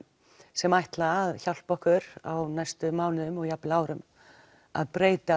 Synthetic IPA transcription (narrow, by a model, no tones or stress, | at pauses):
sɛmajht̪laːðçawl̥pɔhkʏɾa̰wnajst̪ʏmaːwnɪðʏmɔɣjaplaːwɾʏm | a̰ðpɾeːjt̪a